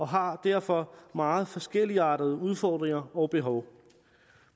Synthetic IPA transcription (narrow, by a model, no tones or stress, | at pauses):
ɒ̽ɦɑ̈d̥æɐ̰fɒ̽mɑ̈ːð̩ˠfɒ̽sɡ̥el̰iɑ̈ːd̥əð̞̩ˠəuð̞ˠfɒːd̥ʁeŋɐɒ̽ʊb̥e̝ɦɒʊ